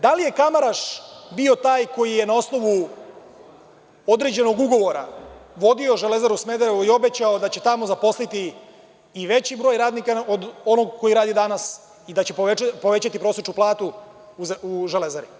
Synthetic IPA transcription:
d̪alije̞kamaɾaʂbio̞t̪aːjko̞jije̞nao̞sno̞ʋu | o̞d̪ɾe̞d͡ʑe̞no̞ɡuɡo̞ʋo̞ɾa̰ʋo̞d̪io̞ʒele̞zaɾusmed̪aɾeʋuio̞bet͡ɕao̞d̪at͡ɕe̞t̪amo̞zapo̞slit̪iː | ʋe̞t͡ɕibɾo̞ːjɾaːd̪nikaod̪ono̞ɡko̞jiɾaːd̪id̪anas | id̪at͡ɕe̞po̞ʋe̞t͡ɕat̪ipɾo̞ːset͡ʃnuplˠaːt̪uuzuʒelezaɾi

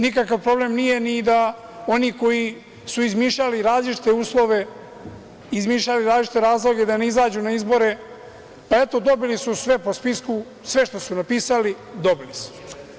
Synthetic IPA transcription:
nikakaʋpɾo̞ble̞mnije̞nid̪a | o̞niko̞ji | suizmiːʃʎaliɾaːzlit͡ʃi̥t̪e̞uːslo̞ʋe̞ | izmiːʃʎaliɾaːlit͡ʃit̪e̞ɾaːzlˠo̞ɡed̪aneizaːd͡ʑunaizbo̞ɾe̞ | paet̪o̞d̪o̞bilisusʋe̞po̞spisku | sʋe̞ʃt̪o̞sunapiːsali | d̪o̞bilisu̥

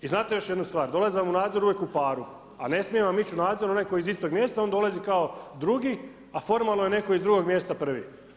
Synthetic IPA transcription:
iznaːt̪ejo̞ʃjed̪nust̪ʋaːɾd̪o̞lˠaziʋamunaːd̪zo̞ɾuʋje̞kupaːɾu | ane̞smijeʋamit͡ɕunaːd̪zo̞ɾuonajkojizist̪o̞ɡmje̞ːst̪ao̞nd̪o̞lazikaod̪ɾuɡi | afo̞ɾmalˠnojene̞ko̞izd̪ɾuɡo̞ɡmje̞ːst̪apr̩ʋḭ

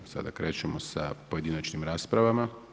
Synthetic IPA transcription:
sa̰d̪akɾe̞ːt͡ʃemosa̰po̞je̞d̪inat͡ʃnimɾaːspɾaʋama

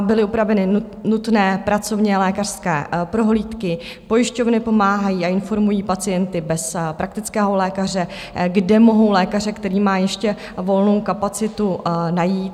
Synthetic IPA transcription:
bɪlɪupɾavɛnɪ | nut̪nɛːpɾat͡so̞vɲɛlɛːkar̥skɛːpɾo̞ɦliːt̪kɪ | po̞jɪʃco̞vnɪpo̞maːɦajiːaɪnfo̞ɾmujiːpat͡sɪjɛnt̪ɪbɛspɾak̚t̪ɪt͡skɛːɦo̞lɛːkar̝ɛ | ɡdɛmo̞ɦo̞wlɛːkarɛkt̪ɛɾiːmaːjɛʃcɛ | vo̞lno̞wkapat͡sɪt̪unajiːt̪

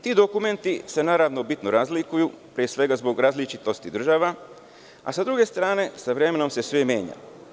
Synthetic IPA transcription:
t̪iːd̪o̞kume̞nt̪ise̞naːɾaʋnobit̪noɾazlikuju | pɾiesʋe̞ɡazbo̞ɡɾaːzlit͡ʃit̪o̞st̪id̪r̩ʒaʋa | a̰sad̪ɾuɡe̞st̪ɾaːne̞saʋɾe̞me̞no̞mse̞sʋemje̞ːɲa̰

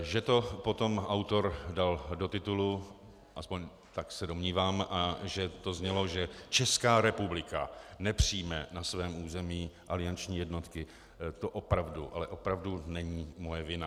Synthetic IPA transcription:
ʒɛt̪o̞po̞t̪o̞mawt̪o̞ɾdaldot̪ɪt̪ulu | ʔaspoɲ | t̪aksɛdo̞mɲiːvaːmʔaʒɛt̪o̞zɲɛlo̞ʒɛt͡ʃɛskaːɾɛpublɪkanɛpr̝̥iːjmɛnasvɛːmuːzɛmiːʔalɪant͡ʃɲiːjɛdno̞t̪kɪ | t̪o̞ʔopɾavduʔalɛʔo̞pɾavdunɛɲiːmo̞jɛvɪna

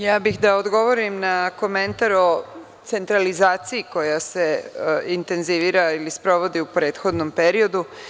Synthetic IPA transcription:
jaːbixd̪aod̪ɡo̞ʋo̞ɾimnako̞mẽ̞nt̪aɾo̞ | t̪se̞nt̪ɾalizaːt̪siiko̞jase̞int̪e̞nziʋiːɾailispɾo̞ʋo̞d̪iupɾeːt̪xo̞d̪no̞mpe̞ɾio̞d̪u

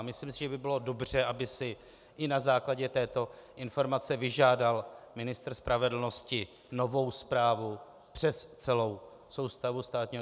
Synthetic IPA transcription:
mɪslɪmsɪʒɛbɪbɪlo̞do̞br̝ɛʔabɪsɪ | ʔɪnazaːklaɟɛt̪ɛːt̪o̞ʔɪnfo̞ɾmat͡sɛvɪʒaːdalmɪnɪst̪r̩spɾʔavɛdl̩no̞scɪ | no̞vo̞wspɾaːvu | pr̝̥ɛst͡sɛlo̞w | so̞wst̪avust̪aːt̪ɲiːɦ

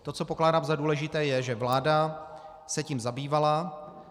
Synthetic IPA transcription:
t̪o̞t͡so̞poklaːdaːmzaduːlɛʒɪt̪ɛːjɛʒɛvlaːda | sɛcimzabiːvala

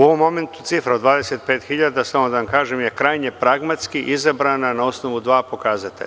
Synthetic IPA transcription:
uo̞ʋo̞mːo̞me̞nt̪u̥t̪sifɾaod̪ʋaːd̪eset̪̚peːt̪xiʎad̪asamod̪aʋamkaːʒemje̞kɾaːjɲepɾaɡmat̪skiʔizabɾananao̞sno̞ʋud̪ʋaːpo̞kaːzat̪ḛʎ

